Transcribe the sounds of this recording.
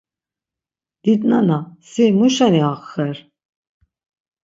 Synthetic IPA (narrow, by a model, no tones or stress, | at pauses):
d̪̥id̪nanasimuʃaniaχːɛɾ